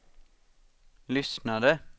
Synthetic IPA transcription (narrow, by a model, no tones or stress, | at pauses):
lʏsnɑd̪ə